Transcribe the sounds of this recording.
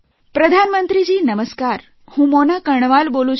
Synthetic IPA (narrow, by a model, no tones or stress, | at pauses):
pɾəd̪ʱanmənt̪ɾid͡ʑiːnəməskaɾ | hũːmonakəɳ̃ʋalbolũ